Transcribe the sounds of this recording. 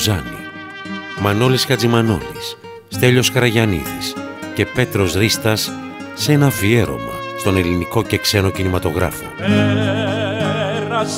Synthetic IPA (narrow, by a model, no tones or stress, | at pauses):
zɐnḭ | mɐno̞liskɐd͡zimɐno̞̰lisː | t̪e̞ʎo̞skɾɐʝɐnḭðisce̞pe̞t̪ɾo̞sɾist̪ɐsː | enɐfie̞ɾo̞̰mɐ̰st̪o̞ne̞liniko̞ce̞kse̞no̞cinimɐt̪o̞ɣɾɐ̰fo